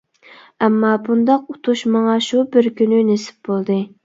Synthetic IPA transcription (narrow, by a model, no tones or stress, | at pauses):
ɛmːɑbund̪ɑqut̪ʰuʃmɑŋɑʃubɪɾkʲynynesɪ̥p̚bolˠd̪ɨ